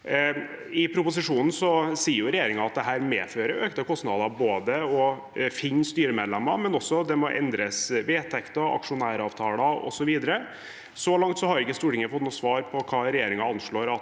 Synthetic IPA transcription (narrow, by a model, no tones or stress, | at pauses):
ɪpʰɾʊpʊs̬ɪʂuːnn̩sɔsiːəɾjʊɾɛjeːɾɪŋɑɑt̪̚d̪ɛɦæːɾmeːføːɾəɾøːkt̪əkʰɔst̪nɑd̪ɑboːd̪əɔ | fɪnst̪yːɾəmeːd̪lɛmːɑmɛnɔsːɔd̪ɛmɔʔɛ̰nd̪ɾəsʋeːt̪ʰɛkt̪ɑɑ̰kʂʊnæːɾɑːʋt̪ʰɑːlɑɔ̰sɔʋiːd̪əɾə | solɑŋt̪sɔhɑɾʊɪkːəst̪uːʈɪŋːəfɔt̪nuːsʋɑːɾpʰɔkʰɑːɾɛjeːɾɪŋɑɑnʂɭoːɾɑt̪